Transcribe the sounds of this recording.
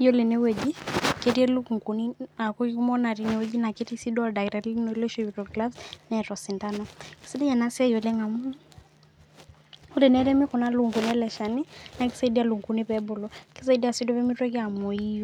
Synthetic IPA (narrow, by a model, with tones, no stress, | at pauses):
jɔ˦le˨nɛ˦wɛ˨d͡ʒi˦ke˨ti˦ɛ˦lu˦ku˨ŋku˨ni˦a˨ku˦i˦ku˦mɔ˦na˨ɾi˨nɛ˨wɛ˦d͡ʒi˦na˨ke˦ti˦si˦dɔ˦da˨iɾɛ˨li˦nɔ˨i˦lɔ˦ʃɔbi˨tɔɡla˦bsnɛ˨tɔ˨si˨nda˦nɔki̥si˦di˦ja˨na˦si˦a˦jɔ˨lɛ˦ŋa˨mu˦ | u˦le˨nɛ˦ɾɛ˦mi˦kɔ˨na˦lu˦ŋku˨nɛ˦lɛ˨ʃa˨ni˦na˨ki̥˦sa˦i˦di˦a˦lu˨ŋku˨nipɛbɔ˨lɔ˨ki˦sa˦i˦di˦a˨si˦dɔ˦pɛ˦mi˦twɛ˦kɛ˦a˨mɔ˨i˦jɔ